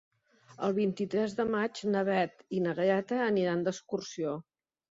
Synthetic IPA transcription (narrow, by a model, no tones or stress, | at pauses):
ə̰lˠβint̪it̪ɾɛzðəmad͡ʒnəβɛt̪inəɣəɾɛt̪əːniɾand̪əskursio